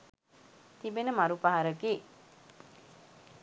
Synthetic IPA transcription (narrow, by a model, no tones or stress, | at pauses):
t̪ibenəmaɾupaɦaɾəɡeː